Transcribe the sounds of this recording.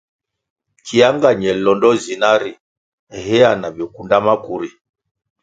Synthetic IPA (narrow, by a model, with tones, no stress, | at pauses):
kʰi˨a˦ŋɡa˨ɲɛ˨lɔ˨ndɔ˦zi˨na˦ɾi˨ | ɛ˨ɦɛ˦a˦˨na˨bɛ˨ku˨nda˦ma˦ku˨ɾi˨